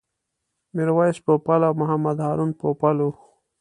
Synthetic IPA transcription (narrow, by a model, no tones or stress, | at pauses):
miɾwaispopalawmʊɦamad̪haɾunpopalu